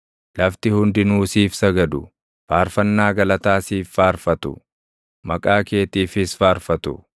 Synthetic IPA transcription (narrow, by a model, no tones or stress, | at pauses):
lɐft̪ɪhʊnd̪ɪnuːsiːfsɐɡɐd̪ʊ | faːɾfɐnːaːɡɐlɐt̪aːsiːfːaːɾfɐt̪ʊ̰ | mɐkʼaːke̞ːt̪iːfɪsfaːɾfɐt̪ʊ̰